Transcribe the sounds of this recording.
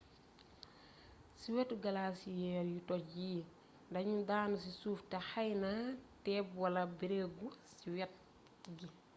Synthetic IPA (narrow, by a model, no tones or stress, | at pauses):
siwɛtːuɡɐlaːsijɛːɾjutɔjiː | ndɐɲudaːnusisuːftɛxajnatɛːpwɐlɐbiɾeɡusiwɛt̚ː | iɡi